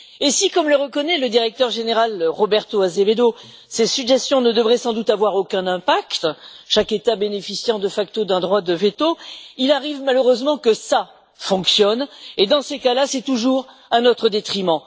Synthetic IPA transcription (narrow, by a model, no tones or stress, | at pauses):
esikɔmləʁəkɔnɛləd̪iʁɛk̚t̪œʁʒeneʁalʁɔbɛʁt̪oazeved̪o | sesyɡʒɛst̪jɔ̃nəd̪əvʁɛsɑ̃d̪ut̪avwaʁokʲɛ̃nɛ̃pakt̪ʃaket̪abenefisjɑ̃d̪əfak̚t̪od̪ɛ̃d̪ʁwad̪əvet̪oilaʁivmaløʁøzmɑ̃kəsa | fɔ̃ksjɔned̪ɑ̃sekalasɛt̪uʒuʁ | ɛ̃nɔt̪χəd̪et̪χimɑ̃